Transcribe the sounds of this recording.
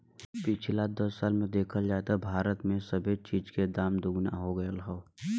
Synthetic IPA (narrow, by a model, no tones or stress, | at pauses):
pɪt͡ʃʰlad̪ɐssaːlmẽd̪eːkʰəld͡ʒaːt̪abʱaːɾət̪mẽsɐbʱet͡ʃiːd͡ʒked̪aːmd̪ʊɡna̰ɦoɡɐjəlɦoː